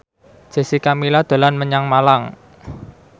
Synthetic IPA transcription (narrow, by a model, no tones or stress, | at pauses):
d͡ʒ̥e̤sikamilad̪̥o̤lanməɲaŋmalaŋ